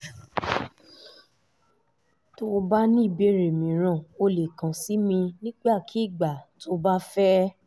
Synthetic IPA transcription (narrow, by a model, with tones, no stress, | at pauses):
to˦˧ba˦nĩ˦˨be˦˨ɾe˨mĩ˨ɾ̃ã˨˦˨o˧le˨kã˨si˨˦mĩ˧nĩ˦ɡ͡ba˦˨kʰi˨˦i˦˨ɡ͡ba˨to˦ba˦fɛ˦